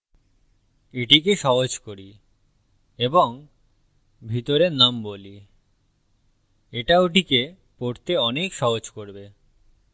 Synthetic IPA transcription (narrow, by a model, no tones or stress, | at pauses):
iʈik̬eʃɔɦod͡ʑkoɾi | eboŋ | bʱit̪oɾeɾnamboli | eʈaoʈike | poɾt̪eɔnekʃɔɦod͡ʑkoɾbe